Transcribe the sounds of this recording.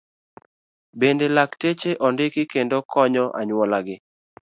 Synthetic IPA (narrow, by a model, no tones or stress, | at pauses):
bendelaktet͡ʃeʔɔndɪkɪkendokʰɔɲɔʔa̰ɲwɔlaɡɪ